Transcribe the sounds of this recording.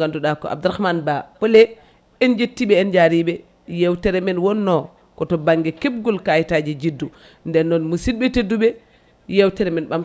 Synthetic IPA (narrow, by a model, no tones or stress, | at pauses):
ɡanduɗakɔ̰ʔa̰b̚duɾahmanbapole | ɛnd͡ʒetːiɓɛːnd͡ʒaɾiɓɛ | jewtɛɾɛmɛnwɔnːɔ | kɔtɔbaŋɡɛkeb̚ɡulkajtad͡ʒid͡ʒidːu | ndɛnːɔnmusid̚ɓɛtedːuɓɛ | jewtɛɾɛminɓam